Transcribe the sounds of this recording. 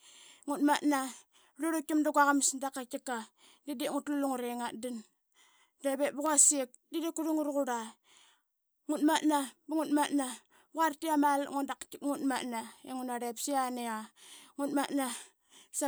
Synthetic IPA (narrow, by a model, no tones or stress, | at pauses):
ŋutmatna | luɾukimdaɡwaɣamsndakakika | didiŋutluluŋuɾeŋadin | deβetbuɣasik̚didikuɾuŋuɾɣuɾa | ŋutmatnabuŋutmatna | ɣaɾtiamalŋundakikŋutmatnaeŋunaɾepsianeaŋutmatna | sa